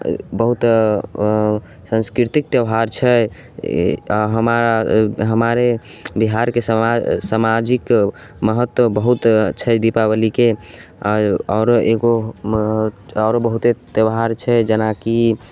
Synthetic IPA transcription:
bəɦut̪ | sə̃nskɾit̪ik̚t̪jəwɦaɾt͡ʃʰɛ | ɦəmaɾaɦəmaɾe | biɦaɾkessamad͡ʒik | məɦət̪wəbəɦut̪t͡ʃʰɛd̪ipabəlike | ɔɾoeɡo | ɔɾobəɦut̪et̪jəwɦaɾt͡ʃʰɛd͡ʒənaki

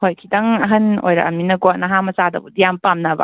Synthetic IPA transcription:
hojkʰidɐŋɐɦɐno̰jɾɐ̰ʔɐminɐɡoanɐɦamɐsadɐ̰budijampamnaba̰

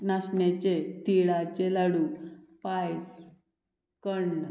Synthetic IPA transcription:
naɕɳjat͡ɕet̪iɭat͡ɕelaɽupajs | kəɳɖ

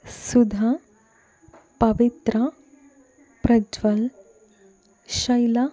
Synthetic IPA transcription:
sud̪ʱa | pəʋit̪ɾə | pɾəd͡ʒʋəl | ɕəjla

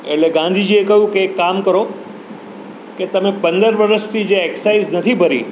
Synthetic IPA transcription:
eʈleɡãnd̪ʱid͡ʒiekəɦjũkeːkːamkəɾo | ket̪əmẽpənd̪əɾʋəɾəst̪ʰid͡ʒeːksaiznət̪ʰibʱəɾḭ

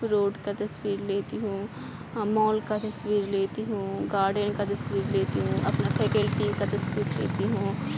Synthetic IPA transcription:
ɾoːɖkat̪ɐswiːɾleːt̪iɦũː | mɔːlkat̪ɐswiːɾleːt̪iɦũɡaːɾɖənkat̪ɐsʋiːɾleːt̪iɦũʔɐpnapʰɛːkəlʈikat̪ɐsʋiːɾlḛːt̪iɦũː

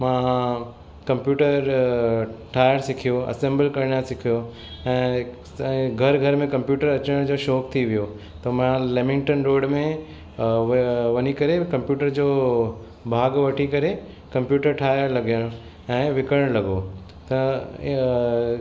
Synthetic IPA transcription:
mã | kɐ̃mpjuːʈəɾ | ʈʰaːjəɾsɪkʰijoɐ̰sẽːmbəlkɐɾɪɳjãsɪkʰijo | ɛ̃ː | ɡʱɐɾɡʱɐɾmẽkɐ̃mpjuːʈəɾɐt͡ɕəɽ̃d͡ʑoːʃɔːk̚t̪ʰiʋijo | t̪ɐmɐ̃ɦãlemɪ̃ŋʈənɾoːɖmẽ | ʋɐnikɐɾekɐ̃mpjuːʈəɾd͡ʑoː | bʱaːɡʋɐʈʰikɐɾe | kɐ̃mpjuːʈəɾʈʰaːjəɾlɐɡjəɽ̃ | ɛ̃ːʋɪkəɽ̃lɐɡo | t̪ɐ

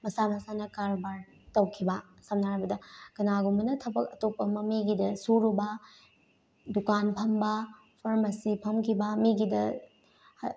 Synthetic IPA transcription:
mɐsamɐsanɐkaɾbaɾ | tɐwkʰibɐsɐmnaɾbɐdɐkɐnaɡumbɐnɐtʰɐbɐk̚ɐtopːɐmɐmiɡidɐsuɾubɐ | dukanpʰɐmbɐ | pʰɐɾmɐsipʰɐmkʰibɐmiɡidɐ

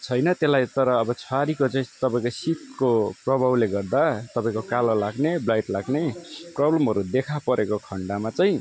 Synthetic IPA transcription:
t͡sʰʌjnʌt̪elːajt̪ʌɾʌːbʌt͡sʰaɾikot͡saĩt̪ʌpaĩkosit̪̚koprʌbʱawleɡʌrd̪at̪ʌpaĩkokalolaɡneblajʈlaɡneprʌblʌmɦʌɾud̪ekʰapʌɾʔekokʰʌɳɖamat͡sʌj̃ĩ

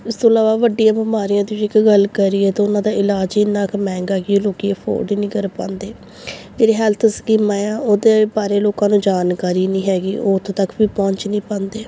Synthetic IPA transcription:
ɪst̪õːlaːʋaːʋəɖɪjãːbəmaːɾijãːd̪iʋiɪkɡəlkəɾiːɛːt̪ãːʊnãːd̪aːɪlaːd͡ʒɪnãːkmɛ̃ːŋɡaːɡiːloːkiːeːpʰo̰ːɾɖiːnĩːkəɾpã̰ːnd̪eː | d͡ʒeːɾeːɦɛːlt̪ʰskiːmãːjãːoːd̪eːbaːɾeːloːkãːnũːd͡ʒaːnkaːɾiːnĩːɦɛːɡiːʔoːt̪ʰːt̪əkʋiːpɔ̃ːɲt͡ʃnĩːpãːnd̪eː

